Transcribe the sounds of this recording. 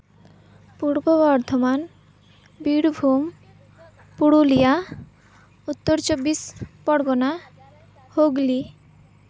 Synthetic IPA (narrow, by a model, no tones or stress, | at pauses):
puɾbobɔɾt̪ʰoman | biɽbʱum | puɽulija | ut̪ːoɾt͡ɕobːispɔɽɡona | hoɡli